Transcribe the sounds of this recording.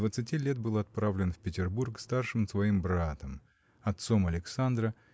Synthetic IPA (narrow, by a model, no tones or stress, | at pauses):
vət̪sɨtʲilʲet̪̚bɨlˠɐt̪̚pɾavlʲɪnfpʲɪtʲɪrburkst̪arʂɨmsvɐimbɾat̪əm | ɐt̪so̞mɐlʲɪksand̪ɾə